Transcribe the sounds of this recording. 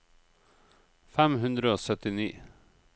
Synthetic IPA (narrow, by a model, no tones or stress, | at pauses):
fæmhʉnd̪ɾəoːsœt̪ɪniː